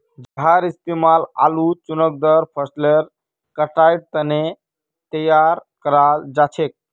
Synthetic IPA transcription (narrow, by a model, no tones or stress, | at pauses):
d͡ʒəɦaɾisp̪imala̰lut͡ʃunək̚d̪əɾpʰəsleɾ | kəʈajʈ̚t̪əne | t̪əjaɾkəɾald͡ʒat͡ʃʰek̚